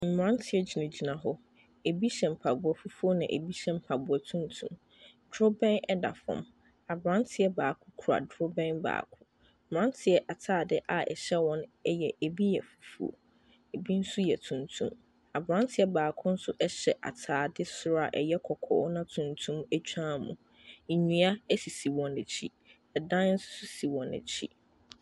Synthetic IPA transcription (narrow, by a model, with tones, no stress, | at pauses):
m̩˨mɾã˦ntʰɪ˨ɛ˦d͡ʑi˨nã˨d͡ʑi˨nã˨ɦɔ˦ | e˨bi˦ɕɛ̃˨m̩˨pʰa˨bʊ˨ɔ˨fu˦fu˦o˦nã̰˨ʔḛ˨bi˦ɕɛ̃˦m̩˨pʰa˨bʊ˨ɔ˨tʰũ˦n˦tʰṵ̃˦m | dɾʊ˦bɛ̃˦nɛ˦da̰˨fɔ̰̃˨m | a˨bɾã˦n˦tʰɪ˨˦ɛ˦baː˨kʰʊ̃˦kʰu˨ɾa̰˨dɾʊ˦bɛ̃˦nba̰ː˨kʰʊ̃˦˨ | ɾã˦n˦tʰɪ˨ɛ˦ʔa˨tʰaː˦˨dɪ˦ʔa˨ʔɛ̰˨ɕɛ˦wɔ̃˦nɛ˦jɛ˨ʔe˨bi˦jɛ˨fu̥˨˦fṵ˦˨o̰˨ | e˨bi˦n̩˦sʊ˦jɛ˨tʰũ˨ntʰṵ̃˦m | a˨bɾã˦n˦tʰɪ˦ɛ˦baː˨kʰʊ̃˦n̩˦sʊ˦ʔɛ˦ɕɛ˨ʔa̰˨tʰaː˨dɪ˦sʊ˦ɾa̰˨ʔɛ̰˨jɛ˦kʰɔ˨kʰɔ̰˨˦nã˦tʰũ˨ntʰũ˦mæ˦t͡ɕᶣʰã˦mṵ̃˨ | ɲĩ˨a˦ɛ˦si˨si˨wɔ̃˨næ˨t͡ɕʰi˦ | ɛ˨dã˦n̩˦sʊ̥˦sʊ˦si˨wɔ̃˨nɛ̰˨t͡ɕʰḭ˦